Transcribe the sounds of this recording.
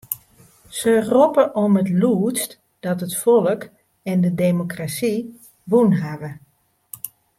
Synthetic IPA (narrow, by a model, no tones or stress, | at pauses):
səropəʔɔmətluːst | d̥ɔtɦətfɔlˠək | ɛndədemokrasi | ʋunɦaʋə